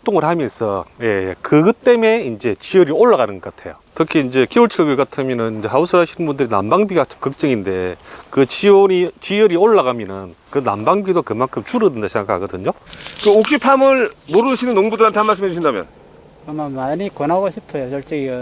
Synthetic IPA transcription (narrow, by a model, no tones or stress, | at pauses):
t͈oŋɯɭhamjʌnsʰʌje̞kɯɡɯt͈e̞me̞ind͡ʑe̞t͡ɕijʌɾioɭːaɣanɯnɡʌk͈atʰe̞̰jo̰tʰɯkʰiːnd͡ʑe̞kioɭt͡ɕʰɯɭɡɯk͈atʰamjʌnɯnind͡ʑeɦausʰɯɦaɕʰinɯnbundɯɾina̰mbaŋbiɡat͡ɕomkɯk̚t͡ɕ͈ɯŋinde̞kɯt͡ɕionit͡ɕijɯɾioɭːaɣamjʌnɯnkɯna̰mbaŋbidokɯmankʰɯmt͡ɕuɾɯdɯndaɕʰeŋɡakʰaaɡʌdɯɲokɯok̚ɕ͈ipʰamɯɭmoɾɯɯɕʰinɯnːoŋbudɯɭhantʰeanmaɭs͈ɯmɦed͡ʑuɕʰindamjʌ̰n | amamaɲikʌnɦaɡoɕʰipʰʌjot͡ɕʌɭt͡ɕ͈eɡi